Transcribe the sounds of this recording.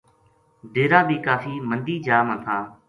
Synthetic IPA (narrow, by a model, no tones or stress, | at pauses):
bʱeːɾãːbiːkaːfiːmənd̪iːd͡ʒaːmə̃t̪ʰaː